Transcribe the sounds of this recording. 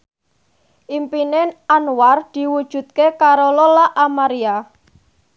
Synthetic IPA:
ʔimpinenʔanward̪̥i̤wud̥ʒ̥ṳt̪̚kekaɾololaʔamaɾia

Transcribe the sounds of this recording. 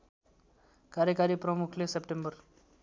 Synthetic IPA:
kaɾjəkaɾiːpɾəmukʰlesepʈembəɾ

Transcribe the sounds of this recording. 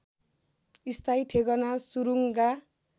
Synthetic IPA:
ist̪ʰajʈʰeɡʌnasuɾuŋɡa

